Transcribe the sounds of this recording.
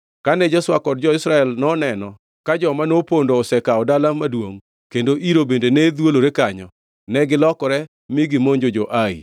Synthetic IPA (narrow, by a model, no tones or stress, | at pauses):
kanɛd͡ʒɔswakɔd̚d͡ʒɔɪsɾaɛlnɔnɛnɔ | kad͡ʒɔmanopondoːsɛkaɔdalamadwoŋ | kendoʔiɾobendenɛd̪woloɾekaɲɔ | nɛɡɪlɔkɔɾɛ | miɡɪmoɲd͡ʒod͡ʒoʔaḭ